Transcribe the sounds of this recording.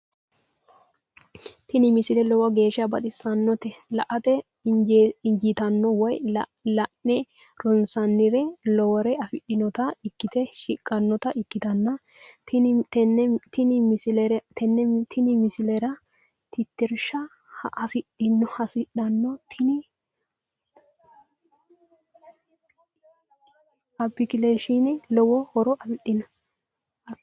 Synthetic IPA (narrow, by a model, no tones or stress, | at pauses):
t̪ɪnɪmɪsɪlɛlɔwɐɡe̞ːʃɐbɐt̪ʼɪsːɐnːɔt̪ɛlɐʔɐt̪ɛ | ɪnd͡ʒɪt̪ɐnːɔwɔjlɐnːɛ | ɾɔnsɐnːɪɾɛlɔwɔɾɛɐfɪɗːɪnɔt̪ɐɪkːɪt̪ɛʃɪkʼːɐnːɔt̪ɐʔɪkːɪt̪ɐnːɐ | t̪ɪnɪmsɛɾt̪ɛnːɛt̪ʰɪnɪmɪsɪlɛɾɐ | t̪ɪt̪ːɪɾʃɐ | ʔɐsɪɗɪnːɔhɐsɪɗɐnːɔt̪ʰɪnɪ | ɐbːɪkɪleʃinɛlɔwɔhɔɾɔʔɐfɪɗɪnɔ